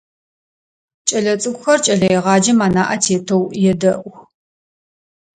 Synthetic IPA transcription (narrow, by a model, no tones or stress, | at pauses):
t͡ʃʼɐɮɐt͡sʼɨkʷʊxɐrt͡ʃʼɐɮɐjɛʁɑːd͡ʒɐmaːnaːʔɐtʰeːtʰowjɛdɐʔʷ